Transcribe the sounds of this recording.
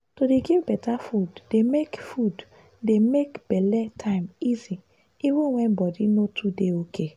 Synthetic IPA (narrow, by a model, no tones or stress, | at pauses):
todeɡivbɛtafuddemekfud | demekb̥ɛlɛtʰãɪ̃mizi | ivə̃nwɛ̃nbɔdinotʰudeokʰe